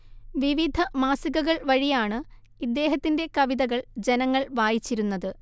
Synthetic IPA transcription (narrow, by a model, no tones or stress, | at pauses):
ʋiʋid̪ʱɐmaːsiɣɐɣɐɭʋɐɻijaːɳɨ | id̪ːe̞ːɦɐt̪ːinde̞kɐʋiðɐɣɐɭd͡ʑe̞nɐŋːɐɭʋaːjit͡ɕːiɾunːɐðɨ